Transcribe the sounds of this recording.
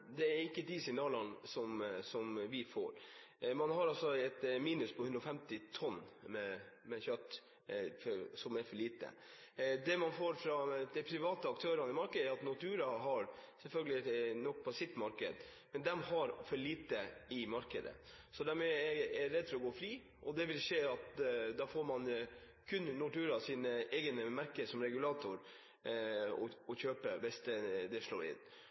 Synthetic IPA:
d̪ɛæɾɪkːəd̪ɪsɪɡnɑːlɑnsɔmsɔmʋɪfo̰ːɾmɑnɦɑɾɑlsɔɛt̪miːnʉspʰɔhʉnd̪ɾɔfɛmt̪ɪt̪ʰɔnːmɛmɛçœt̪ː | fsɔmæɾfɔɭiːt̪ə̰ | d̪ɛmɑnfoːɾfɾɑd̪̥ɛɪpʰɾɪʋɑːt̪əɑk̚t̪ʰøːɾɑnəɪmɑɾkəd̪æɾɑt̪nʊt̪ʰʉːɾɑɦɑɾsɛlfœlɡəlɪnɔk̚ːpʰɔsɪt̪mɑɾkə̰d̪mɛnd̪ɛmhɑɾfɔɭiːt̪əɪmɑɾkəd̪ə̰ | sɔd̪æɾmɛɛɛɾɛd̪ːfɔɾɔɡoːfɾiː | ʔɔd̪ɛʋɪlʂeːɑt̪d̪ɑfoːɾmɑn | kʰʉnnʊt̪ʉːɾɑsiːnəɛːɡənəmæɾkəsɔmɾɛɡʉlɑːt̪ʊɾ | ɔ̰ɔçøːpəbɛst̪əd̪ɛʂɭo̰ːɾɪ̰nː

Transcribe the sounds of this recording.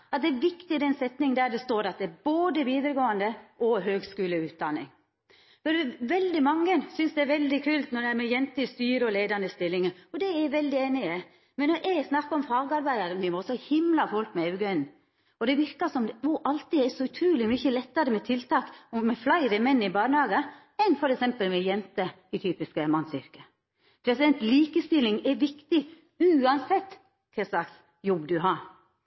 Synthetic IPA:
ɑt̪̚d̪ɛæʋɪkt̪ɪd̪ɛnsɛt̪nɪŋd̪æːd̪ɛst̪oːɾɑt̪̚d̪ɛæɾboːd̪əʋiːd̪ɾəɡoːənd̪əʔɔɦøːɡskʉːləʉːt̪̚d̪ɑnːɪ̰ŋ | fɔɾʋɛld̪ɪmɑŋːəsʏnsd̪ɛæɾʋɛld̪ɪkʰʉːlt̪nɔɖ̪ɛæɾmɛjɛnt̪ɪst̪yːɾəɔleːd̪ɑnd̪əst̪ɪlːɪŋəɔd̪ɛæʋɛld̪ɪeːnɪə | mɛnːɔɾʔɛsnɑkːɑɔmfɑːɡɑɾbæɪd̪ɑɾnɪʋoːsɔhɪmlɑfɔlkmɛɑʉɡœn | ɔd̪ɛʋɪɾkɑsɔmɔʔɑlt̪id̪ɛɾsɔʉt̪ʰɾuːlɪmʏçəlɛt̪ːɑɾəmɛt̪ʰɪlt̪ɑːkɔmɛflæɪɾəmɛnːɪbɑːnhɑːɡə | ɛnfɔɾɛksɛmpəlmɛjɛnt̪ə | ɪt̪ʰyːpɪskəmɑnːsʏ̰ɾkə | pʰɾɛsɪd̪ɛnt̪liːkəst̪ɪlːɪŋɛɾʋɪkt̪ɪ | ʉːɑnsɛt̪ː | k̪ʰɛsɑks | jɔbd̪ʉɦɑːɾ

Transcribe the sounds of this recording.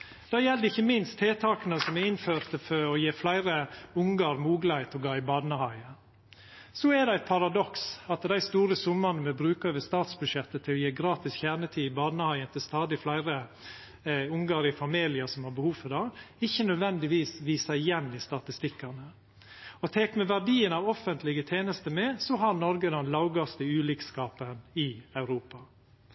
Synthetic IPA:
d̪̥ɑːjɛld̪əɪçːəmɪnst̪ʰeːt̪ʰɑːknəsɔmɛɪnføːɾt̪əfɔɾɔjeːflæɪɾəʊŋɡɑɾmuːɡlɑhæɪt̪ʰɔɡɑːɪbɑːd̪nəhɑɪə | sɔɛd̪ɛæɪt̪̚pʰɑɾɑd̪ɔksɑt̪d̪æɪst̪uːɾəsʊmːɑnəmɛbɾʉːkɑøːʋəst̪ɑːt̪sbʉd̪ʂɛt̪ːət̪ʰɪlɔjeːɡɾɑːt̪ɪsçæːɳət̪ʰiːɪbɑːd̪nəhɑɪənt̪ɪlst̪ɑːd̪ɪflæɪɾə | ʊŋɡɑːɾɪəfɑmiːlɪəsɔmhɑɾbəhuːʋfɔɾd̪ɑ | ɪçːənœd̪ʋɛnd̪ɪʋiːsʋiːsæɪjɛnːɪst̪ɑt̪ɪst̪ɪkːɑnə | ɔt̪ʰɛkmɛʋæɖiːənɑːʋɔfːənt̪ʰlɪɡət̪ʰeːnəst̪əmɛsɔɦɑɾnɔɾɡəd̪ɛnlɑʊɡɑst̪əʉːliːkskɑːpənɪɑʉɾuːpɑ

